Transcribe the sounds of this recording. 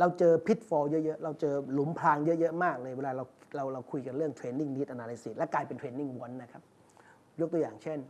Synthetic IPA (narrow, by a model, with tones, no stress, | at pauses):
ɾa˧wt͡ɕɤː˧pʰi˦˥t̪̚fɔː˧jɤ˦˥ʔjɤ˦˥ʔɾa˧wt͡ɕɤː˧lu˨˩˦mpʰlaː˧ŋjɤ˦˥ʔjɤ˦˥ʔmaː˥˩k̚lɤː˧jweː˧laː˧ɾa˧wɾa˧wɾa˧wkʰu˧jka˧nɾɯ˥˩əŋt̪ʰɾeː˧nːi˥˩ŋniː˦˥˩ʔa˧naː˧la˧˦jsi˨˩t̪̚lɛ˦˥klaː˧jpe˧nt̪ʰɾeː˧nːi˥˩ŋwu˦˩nːa˦˥kʰa˦˥p̚ | jo˦˥kt̪u˧jaː˨˩ŋt͡ɕʰe˥˩n